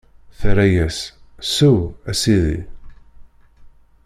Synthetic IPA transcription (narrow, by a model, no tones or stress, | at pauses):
θɾæjæssuæsiðḭ